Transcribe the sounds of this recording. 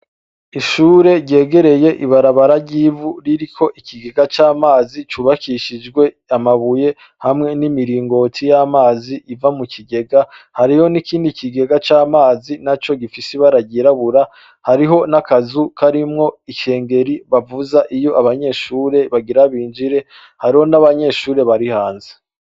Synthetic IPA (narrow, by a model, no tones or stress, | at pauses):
iʃuːɾe̞ɟɟe̞ːɡe̞ɾe̞je̞ʔiβaɾaβaɾaɟiːvuɾiɾikʰo̞ʔikʰiɡe̞ɡat͡ʃaːmaːzit͡ʃuβakiʃid͡ʒɡwe̞ | amaβuje̞ | hamŋe̞nimiɾiːŋɡo̞tʰijamaːziʔːvamukʰiɡe̞ɡahaɾiho̞nikiːndikiɡe̞ɡat͡ʃaːmaːzinat͡ʃo̞ɡifisiβaɾaɟiɾaβuɾa | haɾiɦo̞nakazukʰaɾimŋo̞iʃe̞ːŋɡe̞ɾiβavuzaʔijo̞ʔaβaɲe̞ːʃuːɾe̞βaɡiɾaβiːnd͡ʒiɾe̞ | haɾiho̞naβaɲe̞ːʃuːɾe̞βaɾihaːnze̥